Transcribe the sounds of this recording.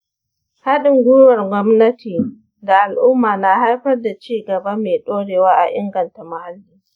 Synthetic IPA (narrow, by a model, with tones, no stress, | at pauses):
ha˦ɗɪ˨ŋɡʷʊ˦wɐ˨rɡʷɔ˦mnɐ˦tiː˨ | da˨ʔa˨lʔʊ˦mːaː˨na˨ha˦jɸɐ˦rda˨t͡ʃiː˦ɡɐ˨ba˦meː˨ɗoː˦ɽeː˨waː˦ʔa̰˨ʔɪ̰˦ŋɡɐ˨nta˨ma˨ha˦lːiː˦